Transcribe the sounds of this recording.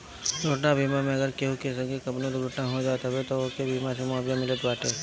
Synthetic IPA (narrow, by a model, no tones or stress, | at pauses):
ɾoʈnabʱiːmamẽɐɡəɾkeɦukes̬ɐɡekɐbnot̪ɾʊʈnaɦod͡ʒaːt̪abet̪okebʱiːmasemɔːbjamɪlət̪baːʈe